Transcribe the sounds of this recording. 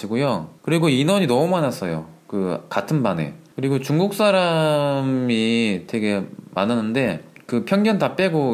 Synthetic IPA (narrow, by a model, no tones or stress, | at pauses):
iɡojokɯɾiɡoinʌɲinʌmumanas͈ʌjo̰kɯkatʰɯnbane̞̰kɯɾiɡot͡ɕuŋɡuk̚s͈aɾa | mite̞ɡe̞mananːɯnde̞kɯpʰjʌŋɡjʌntap͈e̞ɡo